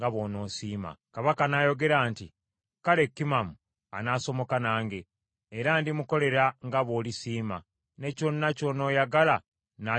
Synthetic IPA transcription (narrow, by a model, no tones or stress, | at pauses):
ɡaβo̞ːno̞ːsiːma̰kaβakanajo̞ɡe̞ɾaːnti | kale̞kːimamu | anaːso̞mo̞kanaːŋɡe̞ː | ɾaːndimuko̞le̞ɾaŋɡaβo̞ːlisiːma̰ | ne̞co̞nːaco̞no̞ːjaɡala | na